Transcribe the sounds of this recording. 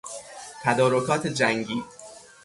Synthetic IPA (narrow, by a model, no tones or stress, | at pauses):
t̪ʰæd̪ɒːɾokʰɒːt̪ʰed͡ʒæŋɡiː